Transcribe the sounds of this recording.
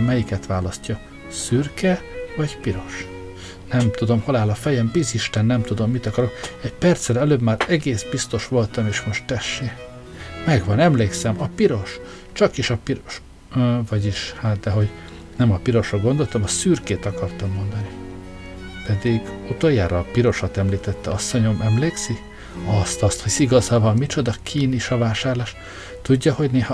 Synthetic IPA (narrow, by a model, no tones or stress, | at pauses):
mɛjikɛt̪ʋaːlɒscːɒ | syrkɛvɒɟpiɾo̞ʃ | nɛmt̪ud̪o̞mho̞laːlɒfɛjɛmbiziʃt̪ɛnːɛmt̪ud̪o̞mːit̪ɒkɒɾo̞kɛɟpɛrt̪sɛlɛløːbmaːɾɛɡeːsbist̪o̞ʃʋo̞lt̪ɒmeːʃmo̞ʃt̪t̪ɛʃːeː | mɛɡʋɒnɛmleːksɛmɒpiɾo̞ʃ | t͡ʃɒkiʃɒpiɾoʃ | vɒɟiʃhaːt̪̚d̪ɛɦo̞ɟ | nɛmɒpiɾo̞ʃrɒɡo̞nd̪o̞lt̪ɒmɒsyːrkeːt̪ɒkɒrt̪ɒmːo̞nd̪ɒni | pɛd̪iɡut̪o̞jːa̰ːɾɒːpiɾo̞ʃɒt̪ɛmliːt̪ɛt̪ːɛɒsːo̞ɲo̞mɛmleːksi | ɒst̪ɒst̪hosiɡɒzɒvɒmmit͡ʃo̞d̪ɒkʰiːniʃɒvaːʃaːrlaːʃ | t̪uɟːɒho̞ɟneːhɒ